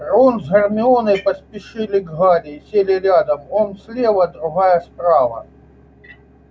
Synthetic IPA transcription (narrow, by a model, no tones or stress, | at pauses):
ronzɦɐrmʲɪonɨpɐsʲpʲɪʂɨlʲɪɡɣaɾʲɪsʲelʲɪɾʲad̪ɐmɔmsʲlʲevɐd̪ɾʊɣajɐspɾavɐ̰